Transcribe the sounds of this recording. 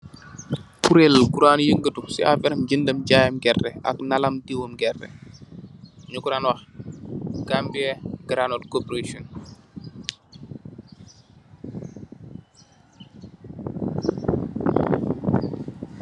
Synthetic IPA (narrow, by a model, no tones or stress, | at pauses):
puɾelɡuɾanjəŋɡətuksia̰vɛɾəmɟindəmɟajamɡɛrːɛʔa̰knalamdiwomɡɛrːɛ̰ | ɲukuɾanwax | ɡambiɛɡ̥ɾanolkopɾeʃon